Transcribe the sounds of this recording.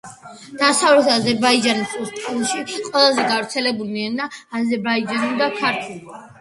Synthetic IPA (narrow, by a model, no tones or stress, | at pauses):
d̪̥asavlɛt̪ʰazɛɾbaid͡ʒanisʼust̪ʼalʃiqʼwɛlˠazɛɡavɾt̪sʰɛlɛbulinɛnaːzɛɾbaid͡ʒanud̪akʰaɾt̪ʰulˠ